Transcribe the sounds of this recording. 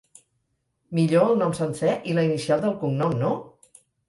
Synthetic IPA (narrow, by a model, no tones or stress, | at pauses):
miʎoəlˠnɔmsənsɛʔiləinisialˠd̪əlˠkuŋnɔmno